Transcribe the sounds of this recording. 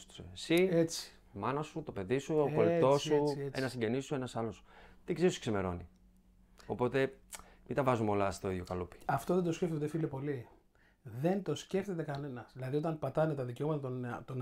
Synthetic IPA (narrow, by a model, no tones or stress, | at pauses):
st̪u̥sesiet͡si̥ | mɐnɐsut̪o̞pe̞ðisuoolet̪o̞susenɐsiɲɟe̞nisue̞nɐsɐlo̞st̪iɡzeɾisi̥kseme̞ɾo̞nḭ | o̞po̞t̪e̞mind̪ɐvɐzumo̞lɐst̪o̞iðjo̞kɐlupi̥ɐft̪oðed̪osceft̪od̪efilepo̞li | ðe̞nt̪o̞sce̞ft̪e̞t̪e̞kɐne̞nɐsðilɐðio̞t̪ɐnpɐt̪ɐnet̪ɐðiceo̞mɐt̪ɐt̪ont̪on